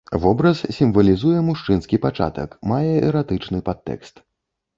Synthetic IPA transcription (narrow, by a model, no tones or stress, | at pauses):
vɔbɾɐssʲimvɐlʲizujɛmuʂt͡ʂɨnskʲipat͡ʂa̰t̪ɐ̰kmajɛɛɾat̪ɨt͡ʂnɨpat̪ːɛ̰kst̪